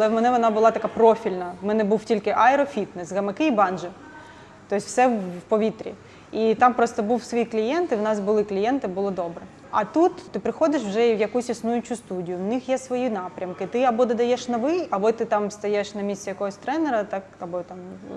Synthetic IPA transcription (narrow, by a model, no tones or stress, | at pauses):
ɐlˠɛwmɛnɛʋɔnɑbʊlˠɑt̪ɐkɑpɾɔfʲilʲnɐwmɛnɛbuwtʲilʲkɪʔɐɛɾɔfʲit̪nɛsɣɐmɪkɪibɑnʒɪ | t̪ɔsʲwsɛwpɔʋʲit̪ɾʲḭ | it̪ɑmpɾɔst̪ɔbuwsʋɔjiklʲijɛnt̪ɪwnɑsbʊlˠɪklʲijɛnt̪ɪbʊlˠɔd̪ɔbɾɛ | ɐ̰t̪ut̪t̪ɪpɾɪxɔd̪ɪʃwʒɛiwjɐkusʲisnujʊt͡ʃʊst̪udʲijʊwnɪxjɛsʋɔjinɑpɾʲɐmkɪt̪ɪɐbɔd̪ɐd̪ɐjɛʃnɔʋɪjɐbɔt̪ɪt̪ɑmst̪ɐjɛʃnɐmʲisʲt͡sʲɛjɐkɔɦɔsʲt̪ɾɛnɛɾɐt̪ɑkɐbɔt̪ɑm